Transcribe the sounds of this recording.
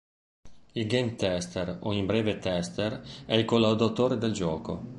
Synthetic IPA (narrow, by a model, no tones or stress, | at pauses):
ilɡemt̪ɛst̪eroimbɾeːvet̪ɛst̪erɛilkolːawd̪at̪oːɾed̪eld͡ʒɔːko̰